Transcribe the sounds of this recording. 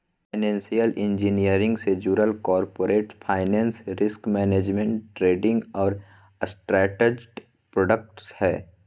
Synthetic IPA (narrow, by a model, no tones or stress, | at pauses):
paɪnɛ̃ːnsijəlʔɪ̃nd͡ʒinijəɾɪ̃ŋɡsed͡ʒuːɾəlkɔːɾpoːɾeːʈpʰaːɪnɛ̃ːnsɾɪskmɛːneːd͡ʒmẽɳʈːɾeːɖɪ̃ŋɡɔːɾ | sʈɾɛːʈed͡ʒʈ | pɾoːɖək̚ʈshɛː